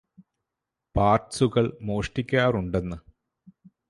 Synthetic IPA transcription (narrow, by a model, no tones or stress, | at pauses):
paːrsuɣɐɭmo̞ːʂʈikʲːaːruɳɖe̞nːɨ